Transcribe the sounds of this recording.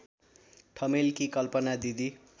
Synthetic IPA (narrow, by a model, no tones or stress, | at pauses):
ʈʰʌmelkikʌlpʌnad̪id̪i